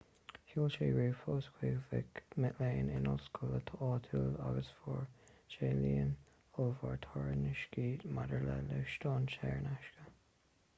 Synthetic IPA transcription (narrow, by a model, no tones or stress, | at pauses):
huːlt͡ʃeːɹuːfɔːskʰwiɡvɪ̰kmɪʔleːnɪnɔlskʰʊlət̪ʰəʔɑːt̪ʰuːla̰ɡəsfɔɹt͡ʃeːliːən | oːvaɹt̪ʰɔɹənɪʃɡiːdmadəɹlələʃt̪ɑːnʃɛːɹnaʃkə